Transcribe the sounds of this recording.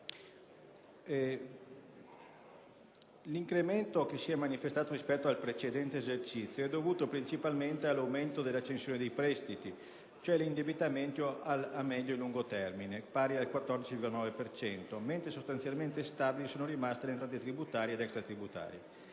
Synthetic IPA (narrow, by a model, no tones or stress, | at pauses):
liŋkɾement̪okesiɛmanifest̪aːt̪oɾispɛt̪ːoalpɾet͡ʃed̪ɛnt̪eːzert͡ʃit̪sːjoɛd̪ːovuːt̪opɾint͡ʃipalment̪ealːawment̪od̪elːat͡ʃːensjoːned̪ejpɾɛst̪it̪i | t͡ʃoɛlind̪ebit̪ament̪joalamːɛd̪ːoĩluŋɡot̪ɛrminepaːɾialkwat̪ːɔrd̪it͡ʃivilɡolanɔːvepert͡ʃɛnt̪oment̪ɾesost̪ansjalment̪est̪aːbilisoːnoɾimast̪elent̪ɾaːt̪et̪ɾibut̪aːɾjed̪ɛkst̪ɾat̪ɾibut̪a̰ːɾje